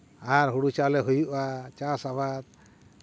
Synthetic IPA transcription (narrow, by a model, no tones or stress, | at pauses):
aɾɦuɽut͡ʃalɛɦujuʔat͡ʃasaβat̪̚